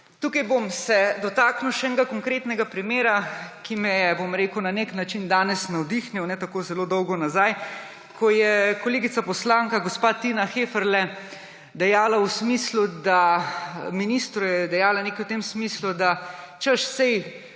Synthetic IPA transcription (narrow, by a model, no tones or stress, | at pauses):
t̪uːkɐjbomsɛd̪ɔt̪aknuwʃɛɛŋɡakɔŋkɾeːt̪nɛɡapɾimeːɾakimɛjɛbomɾeːkəwnaneknat͡ʃind̪aːnɛsnɛɔd̪ixnjɛwnɛt̪akoːzɛlod̪ɔwɡɔnazaj | kʰɔjɛkɔleːɡit̪sapɔslaːŋkaɡɔspaːt̪inaxeːfəɾlɛ | d̪ɛjaːlawsmiːslud̪a | minist̪ɾujɛd̪ɛjaːlaneːkiwt̪emsmislud̪a | t͡ʃəʃsɛj